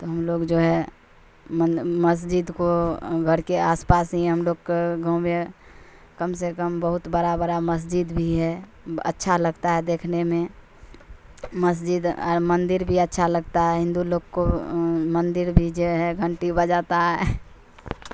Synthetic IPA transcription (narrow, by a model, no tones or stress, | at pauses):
t̪oɦəmloɡd͡ʒoːɦɛ | məməs̬d͡ʒid̪koɡʱəɾkeaːspaːsɦĩɦəmloɡkɡʱəme | kəmsekəmbəɦʊt̪bəɾabəɾaməs̬d͡ʒid̪bʱiɦɛ | ə̰tːʃʰaləɡt̪aɦɛd̪eːkʰnemẽ | məs̬d͡ʒɪd̪ə̰ɾmənd̪ɪɾbʱiətːʃʰaləɡt̪aɦɛɦɪ̃nd̪uloːɡkomənd̪ɪɾbʱid͡ʒoɦɛɡʱəɳʈibəd͡ʒat̪aɦɛ